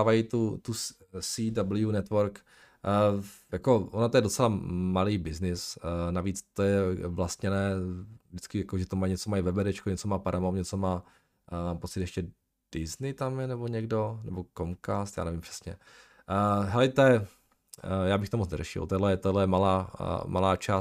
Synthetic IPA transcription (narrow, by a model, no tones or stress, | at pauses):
avajit̪ut̪u | sidabl̩junɛt̪voɾkː | jakoʔonat̪ojɛdo̞t͡sɛlamaliːbɪznɪsnaviːt͡st̪ojɛvlast̪ɲɛnɛːvdɪt͡skɪjakoʒɛt̪omajɲɛt͡somajivɛbɛɾɛt͡ʃkoɲɛt͡somaːpaɾʔamoɲɛt͡somaː | maːmpot͡sɪt̪jɛʃcɛ | d̥ɪznɪt̪amjɛnɛboɲɛɡdonɛbokomkast̪ja̰ːnɛvɪmpr̥ɛ̥sɲɛ | ɦɛlɪt̪ojɛ | jaːbɪxt̪omot͡snɛ̰ɾɛʃɪ̰lt̪ɛdlɛjɛt̪odlɛjɛmalaːmalaːt͡ʃaː